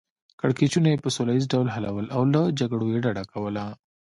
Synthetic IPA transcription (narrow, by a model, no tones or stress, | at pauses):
kəɽket͡ʃunajepəsolajizɖawlɦalawəlʔawlad͡ʒaɡɽojeɖaɽakawəla